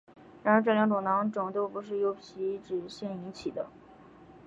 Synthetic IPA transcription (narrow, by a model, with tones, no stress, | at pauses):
ɻa˧˥nə˧˥ʈ͡ʂljɑ˧˥ŋt̪ʊ˨˩ŋnɑ˧˥ŋʈ͡ʂɤ˨˩ŋ˦t̪o˥ʊpu˧˥ʂ̬ɻ̩˥˩jo˧˥ʊpʰi˧˥ʈ͡ʂɻ̩˨˩ɕjɛ˥˩ni˧˥nt͡ɕʰi˨˩d̪ə˦